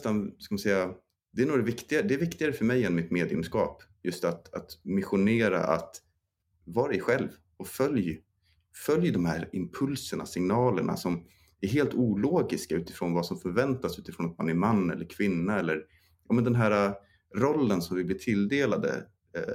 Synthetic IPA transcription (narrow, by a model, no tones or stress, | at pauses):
st̪anskamansɛjːa | d̪ɛæɳoːɡɾavɪkt̪ɪɡaɾd̪ɛːɾvɪkt̪ɪɡaɾəfœɾmɛjːɛnːmɪt̪meːd̪jɵ̰mskɑ̰ːpjɵst̪at̪at̪mɪɧʊneːɾa̰ʔa̰t̪ | vɑːɾaɪɧɛlv | ɔfœlj | fœljd̪ɔmhæːɾɪmpʰɵlsəɳa̰sɪŋnɑːləɳa̰sɔm | æɾɦeːlt̪uːloːɡɪskaʉ̟ːt̪ɪ̥fɾoːnvasɔmfœɾvɛnt̪asʉːt̪ɪ̥fɾoːnat̪manæɾmanːɛ̰lːəɾkʰvɪnːaɛlːəɾ | jɑːmɛnd̪ɛnɦæːɾa | ɾɔlːənsɔmvɪblɪʈ̪ʰɪld̪eːlad̪ə̰